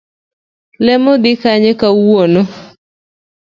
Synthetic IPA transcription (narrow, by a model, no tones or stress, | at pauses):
lɛmod̪ɪkaɲekawono